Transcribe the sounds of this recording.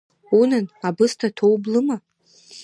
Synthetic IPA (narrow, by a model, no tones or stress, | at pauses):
unɨnabɨstʰatʰowblɨma